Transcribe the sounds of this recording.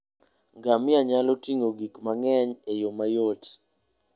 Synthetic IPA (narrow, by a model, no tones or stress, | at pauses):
ŋɡamɪaɲalotiŋoɡikmaŋɛɲejomajot